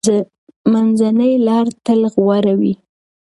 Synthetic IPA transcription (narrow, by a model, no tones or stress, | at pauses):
manzanəjlɑɾt̪əlɣwaɾawi